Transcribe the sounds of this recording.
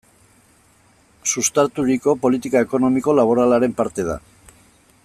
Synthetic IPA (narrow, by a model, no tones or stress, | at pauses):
sust̪aɾt̪uɾiko̞po̞lit̪ikaeko̞no̞miko̞laβo̞ɾalaɾe̞mpaɾt̪e̞ð̞a̰